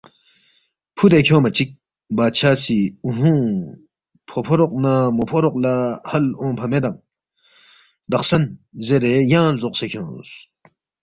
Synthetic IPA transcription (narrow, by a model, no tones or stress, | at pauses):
pʰud̪ekʰõːmɐt͡ɕik̚ | baːt͡ɕʰaːsiuɦũ | pʰopʰoɾoq̚namopʰoɾoq̚lahɐlõːpʰɐmed̪ɐŋ | d̪ɐqsɐnzeɾejãːlzoqsekʰjõ̰ːs